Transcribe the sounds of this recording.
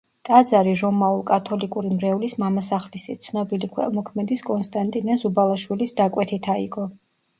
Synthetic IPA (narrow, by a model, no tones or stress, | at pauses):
t̪ʼad̪zaɾiɾɔmaulˠkʼat̪ʰɔlikʼuɾimɾɛulismamasaχlisit̪sʰnɔbilikʰwɛ̰lˠmɔkʰmɛd̪iskʼɔnst̪ʼant̪ʼinazubalˠaʃwilisd̪akʼwɛt̪ʰit̪ʰaiɡʼɔ